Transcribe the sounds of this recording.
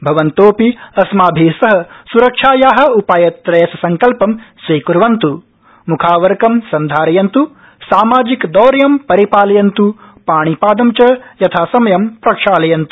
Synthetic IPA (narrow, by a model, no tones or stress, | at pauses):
bʱɐʋɐnt̪oːpiɐsmaːbʱiːsɐɦɐ̆suɾɐkʂaːjaːɦɐ̆upaːjɐt̪ɾɐjɐsɐsɐŋkɐlpɐmsʋiːkuɾʋɐnt̪u | mukʰaːʋɐɾkɐmsɐnd̪ʱaːɾɐjɐnt̪u | saːmaːd͡ʒikd̪ɔːɾjɐmpɐɾipaːlɐjɐnt̪upaːɳ̃ipaːd̪ɐmt͡ʃɐjɐt̪ʰaːsɐmɐjɐmpɾɐkʂaːlɐjɐnt̪u̥